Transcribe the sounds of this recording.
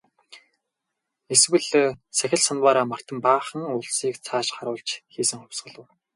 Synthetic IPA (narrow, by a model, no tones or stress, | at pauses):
eswɘ̆ɮsæxʲɪ̆ɮsanwaːɾaːmar̥t̪ə̆mpaːχə̆ŋʊɮsiːkt͡sʰaːʃχaɾʊːɮt͡ɕxiːsɘ̆ŋχʊwʲsɢə̆ɮə̆w